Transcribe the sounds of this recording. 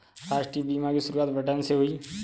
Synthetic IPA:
ɾaːʃʈɾiːbiːmãːkiːsʊɾuːaːt̪bəʈənseɦoiː

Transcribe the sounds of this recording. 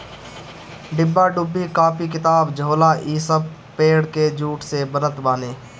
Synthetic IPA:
ɖɪbːaɖʊbːikaːpikɪt̪aːbd͡ʒʱoːlaʔiːsəb | peːɽked͡ʒuːʈsebənət̪baːneː

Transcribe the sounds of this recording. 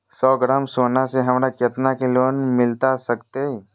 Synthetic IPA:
sɔːɡɾaːmsoːnaseɦɐmɾakjɐt̪nakeloːnmɪlt̪asɐkt̪eɛ

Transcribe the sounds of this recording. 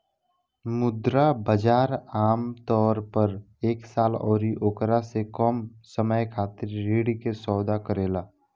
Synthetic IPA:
mʊd̪ɾabəd͡ʒaːɾaːmt̪ɔːɾpəɾ | eːksaːlɔːɾiʔoːkɾasekɔːmsəməjkʰaːt̪ɪɾːeːɽikesɔːd̪akəɾeːlaː

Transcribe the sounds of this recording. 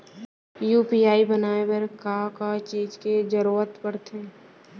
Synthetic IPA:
juːpiːaːibənaːebəɾkaːkat͡ʃiːd͡ʒked͡ʒəɾuːət̪pəɾt̪ʰeː

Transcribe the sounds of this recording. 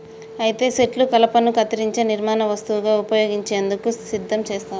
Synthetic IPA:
ɐjit̪e̞ːseʈlukɐlɐpɐnukɐt̪ɐɾiɲt͡ʃe̞ːniɾmaːnɐʋɐst̪uʋuɡaːupɐjo̞ːɡiɲt͡ʃe̞ːnd̪ukusid̪ʱːɐmt͡ʃeːst̪aːɾu

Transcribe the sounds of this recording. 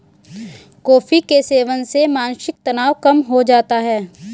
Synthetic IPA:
kɔːfʰikeseːʋənsemãːnʃɪk̚t̪ɐnaːwkɐmɦod͡ʒaːt̪aɦɛː

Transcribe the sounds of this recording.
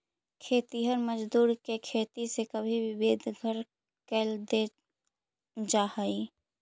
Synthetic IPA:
kʰeːt̪iɦəɾməd͡ʒd̪uːɾkekʰet̪isekəbʱibibeːd̪ʱɡʱəɾ | kɛːld̪e | d͡ʒahəi

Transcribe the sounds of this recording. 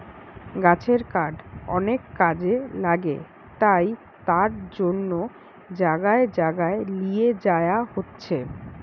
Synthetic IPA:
ɡat͡ɕʰeɾkaɖɔ̰nekːad͡ʑelaɡḛ | t̪aj | t̪aɾd͡ʑonːo | d͡ʑaɡaed͡ʑaɡaelijed͡ʑaeaɦotːɕʰe

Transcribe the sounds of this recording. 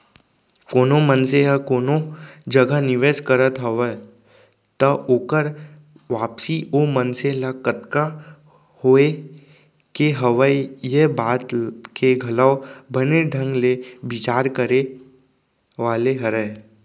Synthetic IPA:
koːnomənseɦəkoːnod͡ʒɐɡanɪʋeːd͡ʒkəɾət̪ɦɐʋəe | t̪əʔoːkəɾ | ʋaːpsiomənselakət̪ka | hoːe | keɦəʋəjebaːt̪keɡʱɐlaobəneɖʱə̃ŋɡlebɪt͡ʃaːɾkəɾe | ʋaːleɦɐɾəː

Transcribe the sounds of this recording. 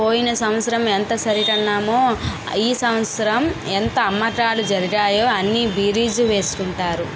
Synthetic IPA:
poːjinɐsɐmɐt̪sɐɾɐment̪ɐsɐɾiʈɐnːaːmoː | iːsɐmɐt̪sɐɾɐment̪ɐːmːɐʈaːlud͡ʒɐɾiɡaːjoːɐnːibiːɾiːd͡ʒuʋe̞ːsu̥kuɳʈaːɾu

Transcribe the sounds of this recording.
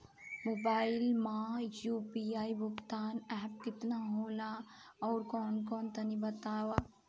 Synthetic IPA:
mobaːɪlmajuːpiaːibʊɡt̪aːnɛːp̚kɪt̪naɦoːlaɔːɾkɔːnkɔːnt̪ɐnibɐt̪aːwaː

